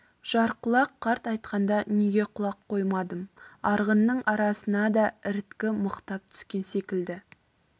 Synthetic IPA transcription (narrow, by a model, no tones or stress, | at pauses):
ʒ̥ɑɾqʰʊlˠɑqʰːɑɾt̪ɑjt̪̚qɑnd̪ɑneɡʲe̞qʰʊlˠɑqʰːo̞jmɑd̪əmɑɾʁənːəɴʔɑɾɑsənɑd̪ɑɪɾt̪kʲɪməqt̪ɑp̚t̪ʰʏ̥skʲe̞nse̞kʲɪld̪ɪ